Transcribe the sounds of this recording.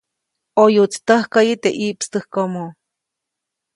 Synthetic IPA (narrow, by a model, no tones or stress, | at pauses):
ojut͡st̪əhkajɨt̪eʔiʔpst̪ɨhkomo